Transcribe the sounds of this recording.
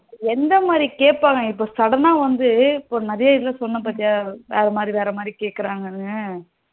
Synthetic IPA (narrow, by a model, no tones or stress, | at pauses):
ɛnd̪ɐmaːd̪ɾikeːʈ̚pːaːŋɡɐɪpːoːsɐɽɐnaːʋɐnd̪ɯɪpːoːnɐɾɐjɐɪlːɐsɔnːɐpaːɾt̪ɪŋaːʋeːɾɐmaːd̪ɾiʋeːɾɐmaːd̪ɾikeːʈ̚kːɐɾaːŋɡɐnɯɡɐ